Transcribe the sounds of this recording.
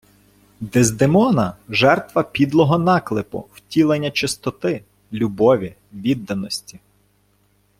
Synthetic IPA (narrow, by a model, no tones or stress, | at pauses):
d̪ɛzd̪emɔnɐʒɛrt̪ʋɐpʲid̪lˠɔɦɔnɑklˠɪpʊ̰wtʲilˠenʲːɐt͡ʃɪst̪ɔt̪ɪ | lʲubɔʋʲi | ʋʲid̪ːɐnɔsʲtʲi